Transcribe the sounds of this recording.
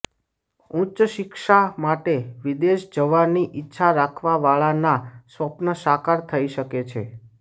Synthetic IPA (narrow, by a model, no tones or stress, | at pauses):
ũt͡ʃʃɪkʃamaʈeʋid̪eʃd͡ʒəʋanːiʔɪtːʃʰaɾakʰʋaʋaɭanasʋəpnəʃakaɾt̪ʰəiʃəket͡ʃʰḛ